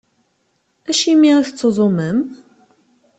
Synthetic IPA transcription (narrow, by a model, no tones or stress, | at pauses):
æʃimːiʁiθt͡sːəðˤoməm